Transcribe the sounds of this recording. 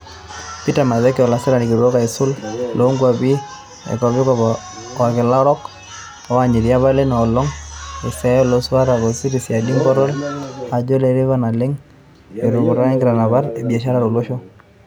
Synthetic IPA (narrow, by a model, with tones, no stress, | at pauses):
pi˦ta˨ma˨ðɛ˦kɔ˨la˨sɛ˦ɾa˨ni˨ki˨ɾu˨ɾo˦ka˨ɪ˨sʊ˦llʔo˨˦ŋɡwa˨bi˦ | ɛ̰˨kɔ˨bɪ˦kɔ | a˨kɪ˨la˦ɾɔ˦k | ɔ˨˦wa˦˨ɲi˨ɾja˦βa˦le˦nɔ˨lɔ˦ŋe˨sɛ˦ɔ˦lo˦sa˦ɾa˨kɔ˨si˦ɾi˨sja˨di˦mpɔ˦ɾɔ˦la˨d͡ʒo˦le˨˦ɾi˦βa˦na˨lɪ˦ŋ | e˨ɾu˨ku˨ɾa˦nɛ˦ɡɪ˨ɾa˨na˨ba˦ɾe˨bie˨ʃa˦ɾa˦ɾo˨lo˦ʃo˦